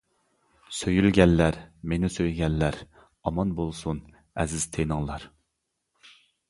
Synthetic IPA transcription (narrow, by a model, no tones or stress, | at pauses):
søjylɡʲɛnːæɾmenɪsøjɡʲɛnːæɾ | ɑmɑnbolˠsun | ɛzɪz̥t̪ʰenɪŋlˠɑɾ